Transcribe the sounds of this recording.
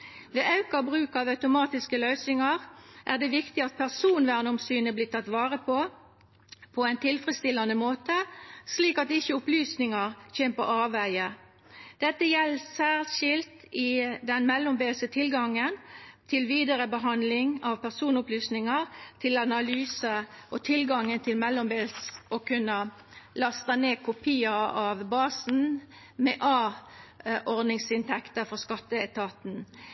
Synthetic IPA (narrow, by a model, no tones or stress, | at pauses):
ʋeːʔɑʉkɑbʁʉːkɑːʋœʉt̪ʊmɑːt̪ɪskəlœʏsnɪŋɑʁʔæʁd̪ɛʋɪkt̪ɪɑt̪̚pʰæʁsuːnʋæːʁnʊmsyːnəblɪːt̪ʰɑt̪ːʋɑːʁəpʰo | pʰɔɛɪnt̪ʰɪlfʁəst̪ɪlːɑnəmoːt̪əsliːkɑt̪ɪçəʊplyːsnɪŋɑʁçɛmpɔɑːʋæɪə | d̪̥ɛt̪ːəjɛlːsæːʁlʃɪlt̪ɪd̪ɛnmɛlːʊmbeːlsət̪ʰɪlɡɑŋənt̪ʰɪlʋiːd̪əʁəbəɦɑnd̪lɪŋɑʋpʰæʁsuːnʊplyːsnɪŋɑʁt̪ʰɪlɑnɑlyːsəʔɔt̪ʰɪlɡɑŋːənt̪ʰɪlmɛlːʊmbeːlsɔkʰʉnːə | lɑst̪ɑneːkʰʊpʰiːɑɑʋbɑːsn̩ | mɛːʔɑː | ʔɔʁd̪nɪŋsɪnt̪ʰɛkt̪əfɔʁskɑt̪ːəɛt̪ʰɑːt̪n̩